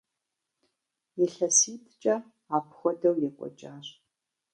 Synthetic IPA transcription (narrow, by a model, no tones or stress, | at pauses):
jɛɬɐsiːtʰt͡ʃʼɐ | aːpʰxʷɔdɐwjɛkʷʼɔ̰t͡ʃʼaːɕ